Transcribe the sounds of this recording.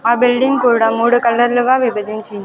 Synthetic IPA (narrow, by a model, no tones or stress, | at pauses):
aːbɪlɖɪŋkuːɾɽamuːɽɯkɐlːɐɾlɯɣaːʋɪbɐd̪ɪɲt͡ʃin